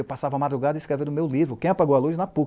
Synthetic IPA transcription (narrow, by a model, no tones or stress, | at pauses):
ewpasavɐamad̪ɾuɡad̪ɐɪiskɾeveɾd̪ʊmewlivɾʊkẽɐpaɡowaluznɐpu